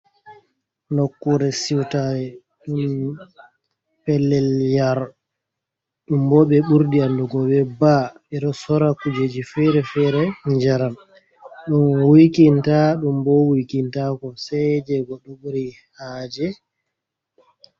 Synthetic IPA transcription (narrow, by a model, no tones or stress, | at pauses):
nɔkːuɾɛsiwtaɾɛ | ɗum | pɛlːɛljaɾ | ɗumbɔɓɛɓuɾdianduɡɔbɛba | ɛɗɔsɔɾakud͡ʒed͡ʒifɛɾɛfɛɾɛɲd͡ʒaɾam | ɗumwikintaɗumbɔwikintakɔsɛd͡ʒɛɡɔɗːɔɓuɾi | haːd͡ʒɛ